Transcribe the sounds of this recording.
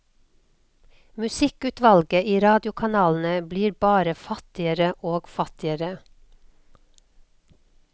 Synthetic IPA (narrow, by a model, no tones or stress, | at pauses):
mʉsɪkʉːt̪ʋɑlɡəiːɾɑːd̪jʊkʰɑnɑːln̩əbliːɾbɑːɾəfɑt̪ɪəɾəʔoːɡ̥fɑt̪ɪəɾə